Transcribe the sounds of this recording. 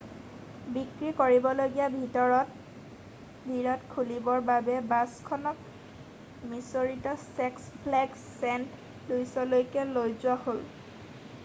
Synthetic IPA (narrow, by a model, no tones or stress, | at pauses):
bikɹikoɹibɔloɡijabʱitɔɹɔt | bʱiɹɔtkʰulibɔɹbabɛbaskʰɔnɔk̚ | misoɹitɔsɛkspʰlɛk | sɛnt | lujsɔlojkɛlojzʊwahol